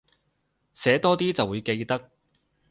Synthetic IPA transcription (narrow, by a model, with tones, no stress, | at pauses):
sɛː˨˥t̪ɔː˥t̪iː˥t͡sɐ˨wːuː˨˧jke˧jt̪ɐ˥k̚